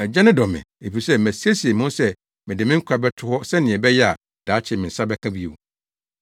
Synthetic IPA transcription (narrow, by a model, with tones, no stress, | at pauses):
ɛ˨d͡ʑɛ˦nɪ̃˦dɔ˨mɪ̰̃˨e˨fi˨sɛ˦mæ˨si˦æ˦si˨e˨mʊ̃˦n˦sɛ˦ | mɪ̃˨dɪ˨mɪ̃˦ŋ̩˦kʷʰa˨bɛ˦tʰʊ˦hɔ˦sɛ˦nɪ̃˨ɛ˨bɛ˦jɛ˦a˨ | d̥a˨˦t͡ɕʰɪ˨mɪ̃˨n̩˨sa˦bɛ˦kʰã˦bi˦o̰˨